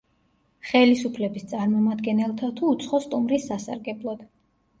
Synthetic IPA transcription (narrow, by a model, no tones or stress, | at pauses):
χɛlisupʰlɛbist̪sʼaɾmɔmad̪ɡɛnɛlˠt̪ʰat̪ʰuːt̪sʰχɔst̪ʼumɾisːasa̰ɾɡɛblˠɔd̪̥